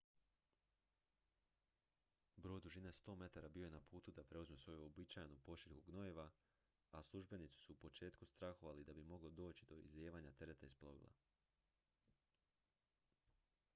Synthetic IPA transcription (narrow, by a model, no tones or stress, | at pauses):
bɾo̞jd̪uʒinast̪o̞me̞t̪aɾabijo̞jenapuːt̪ud̪apɾe̞uzmesʋo̞juobit͡ʃajnupo̞ʃiɾhuɡno̞jeʋa | aslˠuʒbe̞nit̪si̥suupo̞t͡ʃe̞ːt̪kust̪ɾaxoʋalid̪abimo̞ɡlod̪o̞ːt͡ʃid̪o̞ḭzeːʋaːɲat̪e̞ɾe̞t̪aisplˠo̞ʋḭlˠa̰